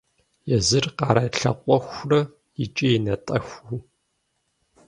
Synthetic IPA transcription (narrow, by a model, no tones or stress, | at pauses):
jɛzɨrqɑːɾɐɬɐqʷʼɔxʷrɐ | it͡ʃʼijɛnɐtʼɐxʷu